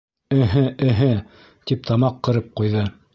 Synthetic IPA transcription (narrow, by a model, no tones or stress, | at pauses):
ɘ̆ɦɘʔɘ̆ɦɘ | t̪ip̚t̪ʰɑmɑqːɤ̆ɾɤp̚qujðɤ